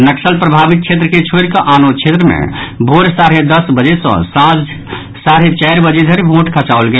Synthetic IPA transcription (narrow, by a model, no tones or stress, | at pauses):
nəksəlpɾəbʱabit̪̚t͡ʃʰet̪ɾəket͡ʃʰoɾkəʔanot͡ʃʰet̪ɾəmḛbʱoɾsaɾed̪əsbəd͡ʒesə̰̃sãd͡ʒ | saɾet͡ʃɛɪɾbəd͡ʒed̪ʱəɾebʱõʈkʰət͡ʃaʊlɡel